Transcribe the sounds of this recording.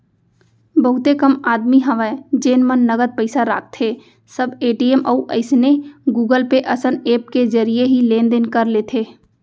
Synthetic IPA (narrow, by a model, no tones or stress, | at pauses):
bəɦʊt̪ekəmaːd̪miɦəʋəed͡ʒeːnmənːəɡəd̪̚pəɪsaɾa̰ːk̚ʰt̪ʰeː | səbeːʈiemʔɔːuʔəɪsneɡuːɡəlpeʔəsəneːp̚ked͡ʒəɾijeɦilẽːnd̪enkəɾleːt̪ʰeː